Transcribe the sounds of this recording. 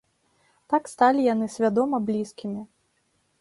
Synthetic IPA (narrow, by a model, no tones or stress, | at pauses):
t̪akst̪alʲijanɨsʲvʲad̪ɔmɐblʲiskʲimʲi